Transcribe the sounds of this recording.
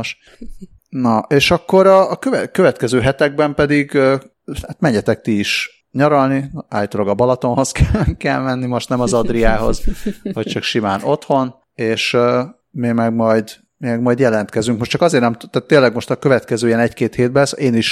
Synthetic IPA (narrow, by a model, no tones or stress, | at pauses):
ʃ | nɒʔeːʃɒkːo̞ɾɒːkøvɛkøvɛt̪kɛzøːɦɛt̪ɛɡ̚bɛmpɛd̪iɡ | hat̪mɛɲːɛt̪ɛk̚t̪iiʃ | ɲɒɾɒlnia̰ːjt̪oloɡɒbɒlɒt̪o̞nɦo̞skʰɛkɛlmɛnːimo̞ʃt̪nɛmɒzɒd̪riaːɦo̞̰zvɒct͡ʃɒkʃimaːno̞t̪ho̞n | eːʃ | mimɛɡmɒjd̪ | miɛɡmɒjd̪jɛlɛn̪t̪kɛzyŋkmo̞ʃtt͡ʃɒkɒzeːrnɛmt̪t̪aːt̪ːeːnlːɛɡmo̞ʃt̪ɒkø̞vɛt̪kɛzøːijɛnɛckeːt̪heːd̪̚bɛseːniʃ